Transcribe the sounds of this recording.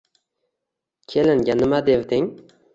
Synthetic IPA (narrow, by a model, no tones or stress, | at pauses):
kʲʰelɪŋɡʲanɪmad̪evd̪ɪŋ